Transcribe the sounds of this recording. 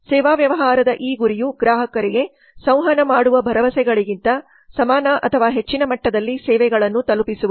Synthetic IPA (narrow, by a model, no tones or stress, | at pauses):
sɛːʋaːʋjɐʋɐɦaːɾɐd̪ɐʔiːɡuɾijuɡɾaːɦɐkɐɾɛɡe̞ | sɐ̃w̃ɦɐnɐmaːɽuʋɐbʱɐɾɐʋɐsɛɡɐɭiɡint̪ɐ | sɐmaːnɐʔɐ̰t̪ʰɐʋaːɦe̞t͡ʃːinɐmɐʈːɐd̪ɐlːisɛːʋɛɡɐɭɐnːut̪ɐlupisuʋu